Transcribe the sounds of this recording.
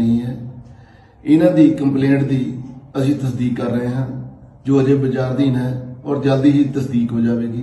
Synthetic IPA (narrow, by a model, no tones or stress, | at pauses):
əɦĩːɦɛː | ɪnãːd̪iːkəmplẽːɳʈd̪iːəsĩːt̪əsd̪iːkːəɾːəɦeːɦənd͡ʒoːəd͡ʒeːbəd͡ʒaːɾd̪iːnɛːɔːɾd͡ʒəld̪iːsiːt̪əsd̪iːkɦoːd͡ʒaːʋeːɡiː